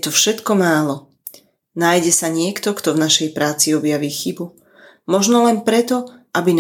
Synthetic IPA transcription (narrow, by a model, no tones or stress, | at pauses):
t̪ɔfʃɛt̪kɔmaːlɔ | najɟɛsaɲɪɛkt̪ɔkt̪ɔvnaʃɛjpɾaːt͡siɔbjaʋiːxibu | mɔʒnɔlɛnpɾɛt̪ɔʔabin